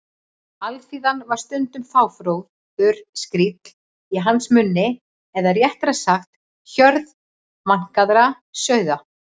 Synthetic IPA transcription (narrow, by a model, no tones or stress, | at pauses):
alfiːðanvaɾ̥st̪ʏnt̪ʏmθaːwfɾowð | ʏɾ̥skɾiːt̪l̥ | iɦansmʏnːɪ | ɛðaɾjɛht̪ɾasaxt̪ | çœɾð | maŋ̥kaðɾa | sœɥða